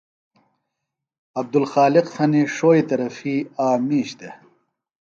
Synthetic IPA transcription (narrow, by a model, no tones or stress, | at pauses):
ɐb̚d̪ulxaːliqsɐniʂoːit̪ɐɾɐfiaːmiːɕt̪e